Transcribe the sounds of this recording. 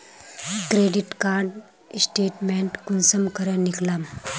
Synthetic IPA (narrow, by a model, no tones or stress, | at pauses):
kɾeɖiʈkaɾɖ | sʈeʈmeɳʈkunsəmkʰəɾəniklam